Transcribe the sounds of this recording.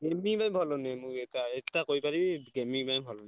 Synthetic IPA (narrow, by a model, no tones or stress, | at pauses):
ɡemibajbʱɔlonɛmʊketaɛtakoɹjpaɹibiɡemibajbʱɔlɔnɛ